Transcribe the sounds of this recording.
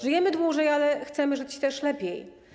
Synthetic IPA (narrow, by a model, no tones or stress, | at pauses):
ʐɨjɛmɘd̪wuʐɛjalɛxt̪sɛmɘʐɘt͡ɕt̪ɛʂlɛpʲjɛj